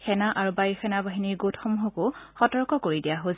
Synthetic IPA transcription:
xʰɛnaʔaɹubajɔxʰɛnabaɦiniɹɡotʰɔmɦɔkʊxɔtɔɹkɔkoɹidijaɦoz

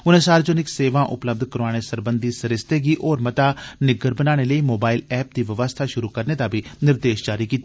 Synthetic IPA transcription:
ʊnẽːsaːɾd͡ʒənɪkseːʋãːʔʊ̰pləb̚d̪ʱkəɾʋaːɽ̃eːsəɾbənd̪isəɾɪst̪eːɡiːʔɔːɾmət̪aːnɪɡəɾbənaːɽ̃eːləiːmoːbaːɪlɛːp̚d̪iːʋɪʋəst̪ʰaːʃʊɾuːkəɾneːd̪aːbʱinɪɾd̪eːʃd͡ʒaːɾiːkiːt̪ːa

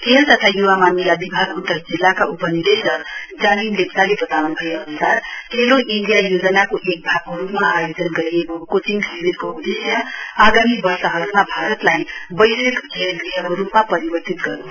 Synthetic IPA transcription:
kelt̪ʌt̪ʰajuʋamanilabibʱaɡut̪ːəɾd͡zilːakaʔupənid̪esʌd͡ʒaninleksalebət̪anubʱʌeʌnusaɾkeloʔinɖijajod͡ʒənakoʔek̚bʱaɡɾupmaajod͡ʒənɡəiekokot͡ʃiŋkʰebiɾkoud̪esjəaɡamibʌɾsʌɦʌsmabʱaɾət̪laibəjsekkʰelliɦəbɾupmapəɾibəɾt̪it̪ɡʌ̰ɾu

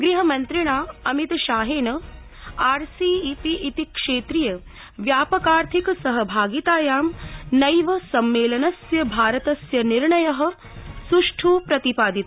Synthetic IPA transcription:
ɡɾiɦɐmɐnt̪ɾiɳ̃aːɐmit̪ʃaːɦeːnɐ | aːɾsiːpiʔit̪ikʂeːt̪ɾijɐ | ʋjaːpɐkaːɾt̪ʰiksɐɦɐbʱaːɡit̪aːjaːmnɐjʋɐsɐmːeːlɐnɐsjɐbʱaːɾɐt̪ɐsjɐniɾɳɐjɐɦɐ̆ | suʂʈʰuːpɾɐt̪ipaːd̪it̪

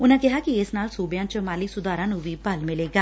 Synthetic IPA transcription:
ʊnãːkɪɦaːkɪɪsnaːlsuːbjãːt͡ʃəmaːliːsʊd̪aːɾãːnũːʋiːbəlmɪleːɡaː

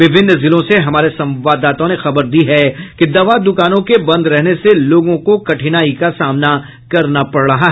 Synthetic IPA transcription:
ʋɪbʱɪnːzɪlõseɦɐmaːɾesɐ̃mʋaːd̪ːaːt̪õnexɐbəɾd̪iɦɛkid̪ɐʋad̪ʊkaːnõkebɐ̃nd̪ɾɛɦneseloːɡõkokɐʈʰɪnaːikasaːmna | kɐɾnapɐɽɽɐɦaɦɛ

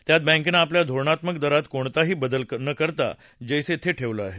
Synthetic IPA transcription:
t̪jat̪̚bãŋkenaːpljad̪ʱoɾɳat̪mək̚d̪əɾat̪koɳt̪aɦiːbəd̪ələnəkəɾt̪a̰ | d͡ʑejset̪ʰeʈʰeʋləaɦe

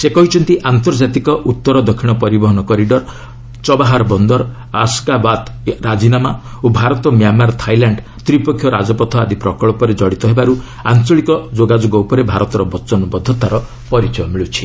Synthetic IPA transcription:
sekɔɦit͡ʃʰɔnt̪iʔant̪ɔɾd͡ʒat̪ikɔʔut̪ːɔɾɔd̪ɔkʰːiɽ̃ɔpɔɾibɔɦɔnɔkɔɾiɖɔɾ | t͡ʃɔbaɦaɾɔbɔnd̪ɔɾ | askabat̪ɾad͡ʒinama | obʱaɾɔt̪ɔmjamaɾt̪ʰajlaɳɖ | t̪ɾipɔkʰjɔɾad͡ʒɔpɔt̪ʰɔad̪ipɾɔkɔɭɔpɔɾed͡ʒɔɽit̪ɔɦebaɾu | ant͡ʃɔɭikɔd͡ʒoɡad͡ʒoɡɔupɔɾebʱaɾɔt̪ɔɾɔbɔt͡ʃɔnɔbɔd̪ʱɔt̪aɾɔ | pɔɾit͡ʃɔjɔmiɭut͡ʃʰi̥

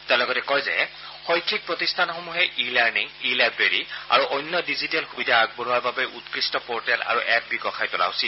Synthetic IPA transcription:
tɛ̃lɔɡɔtɛkɔjzɛ̰ | xɔjkʰik̚pɹotistʰanxomuɦɛʔilɛɹniŋilajbɹeɹia̰ɹuʔɔjnːɔdizitɛlxubidʱaaɡ̚boɹuaɹbabɛʔutkɹistɔpɔɹtɛla̰ɹuʔɛp̚biɡɔxʰajtʊla̰ɦʊsil

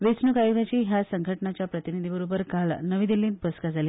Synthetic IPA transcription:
ʋet͡snukajoɡat͡ɕiːɦjasəŋɡʱəʈnat͡ɕjapɾət̪inid̪ʱibəɾubəɾkalnəʋĩːd̪ilĩːnt̪pəskad͡zʱaliː

